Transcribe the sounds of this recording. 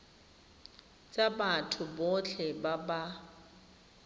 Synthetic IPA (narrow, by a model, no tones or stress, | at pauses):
t͡ʃʼabatʰʊbɔt͡ɬʰɛbaba